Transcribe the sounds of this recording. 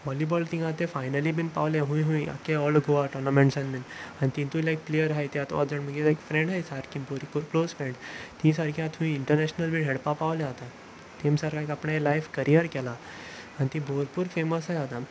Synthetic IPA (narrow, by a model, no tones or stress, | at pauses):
ʋɔlibɔlt̪ĩŋɡãt̪ẽfajnəlibinpaʋljaɦũĩɦũĩa̰kːeɔlɡʱoaʈɔɾnəmẽɳʈsãnbinañit̪ĩnt̪ũilajk̚plejəɾɦajt̪jat̪ɔ̰d̪əɳm̤əɡelajkfɾẽɳɖɦajsaʈkĩboɾipuːɾklozfɾẽɳɖt̪ĩsaɾkʰjãt̪ʰũĩiɳʈəɾnɛɕnəlbinɦeɽpapaʋljaːt̪a | t̪emsaɾkʰãekapɳẽlajfkəɾʔijəɾkɛla | añit̪ĩbʱoɾpuːɾfeməsɦajat̪a